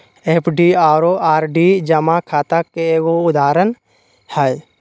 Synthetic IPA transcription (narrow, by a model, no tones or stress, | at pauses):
epʰɖiaːɾoʔaːɾɖid͡ʒəmakʰaːt̪akːeːɡoʊd̪aːɾən | həj